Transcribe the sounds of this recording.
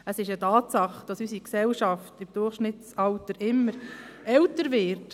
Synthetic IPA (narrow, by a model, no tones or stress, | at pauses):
əsɪʃətɑːtsɑχd̥ɑsysiksɛlʃɑftɪmd̥ʊrχʃnɪtsɑltəɾʔɪmːəɾɛltəɾvɪɾt